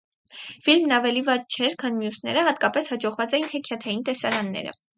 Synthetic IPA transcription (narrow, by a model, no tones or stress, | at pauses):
filmnɑvɛlivɑd̪̚t͡ʃʰɛɾkʰɑnmjusnɛ̰ɾəhɑt̪kɑpɛshɑd͡ʒɔʁvɑt͡sɛjinhɛkʰjɑt̪ʰɑjint̪ɛsɑɾɑnːɛ̰ɾə̰